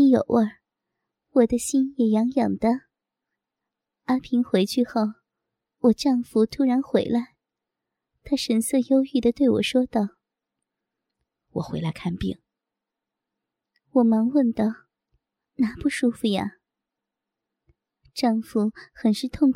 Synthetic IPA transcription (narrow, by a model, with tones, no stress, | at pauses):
jo˨˩ʊʔə˥˩ | wɔ˨˩d̪ə˦ɕi˥njɛ˨˩jɑ˧˥ŋjɑ˨˩ŋd̪̥ə˦ | a˥pʰi˧˥ŋxwe˧˥ɪt͡ɕʰy˥˧xo˥˩ʊ | wɔ˨˩ʈ͡ʂɑ˥˩ŋfu˧˥t̪ʰu˥ɻa˧˥nxwe˧˥ɪla˧˥ɪ | t̪ʰa˥ʂə˧˨˩nsɤ˥˧jo˥ʊy˥˩d̪ə˩t̪we˥˩ɪwɔ̰˨˩ʂwɔ˥t̪ɑ˥˩ʊ | wɔ̰˨˩xwe˧˥ɪla˧˥ɪkʰa˥˧npḭ˥˩ŋ | wɔ˨˩mɑ˧˥ŋwə˥˩nt̪ɑ˥˩ʊ | na˧˥pu˥˩ʂu˥fu˧ja̰˨˩ | ʈ͡ʂɑ˥˩ŋfu˧˥xə˨˩nʂɻ̩˥˧t̪ʰʊ˥˧ŋk